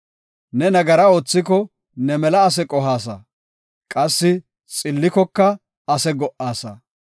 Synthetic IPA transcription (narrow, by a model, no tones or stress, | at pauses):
nɛnɐɡɐɾɐo̞ːt͡sːɪkɔ | nɛmɛlɐːs̬ɛkʼɔɦaːsɐ̰ | kʼɐsːɪ | t͡sʼɪlːɪkɔkːɐ | ɐsɛɡɔʔaːsɐ̰